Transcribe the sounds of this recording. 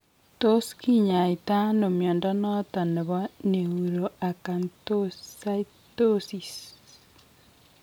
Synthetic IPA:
to˦ski˦ɲa˨i˨ta˦no˨mjɔː˨nda˦nɔ˦ta˨ne˨βa˦ne˨ɣuɾo˨a˨kantosa˦i˦ | to˦si˨s

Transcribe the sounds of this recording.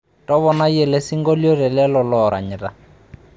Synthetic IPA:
tʼɔ˦βɔ˨na˦jɛ˨le˦si˦ŋɡɔ˦ljɔ˦rɛ˨lɛ˦lɔ˨lɔɾʔa̰˨ɲɛ˨ra˨

